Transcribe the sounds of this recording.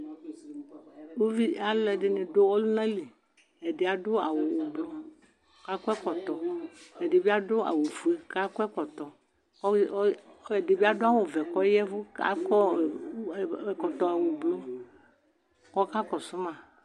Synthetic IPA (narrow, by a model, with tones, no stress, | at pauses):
wo˦vi˦a˦lɛ˨ɖe˨nẽ˨ɖo˦wɔ˦lu˦nã˦li˨ | ɛ˨ɖe˨a˨ɖo˦a˨wo˨wblɔ˦ | ka˦kɔ˦ɛ˦kɔ˨t̪ɔ˨ɛ˨ɖe˨bi˦a˦ɖo˦a̰˨wo˨vu˨e˨ka˦kɔ˦ɛ˦kɔ˨t̪ɔ˨˦ | ɛ˨de˨bi˦a˦do˦a˨wo˨vɛ˨kɔ˦jɛ˦vo˦a̰˦kɔ˦˨˦ | kɔ˨t̪ɔ˨e˨wo˨blo˦ | kɔ˦ka˦kɔ˨sʊ˦mã˨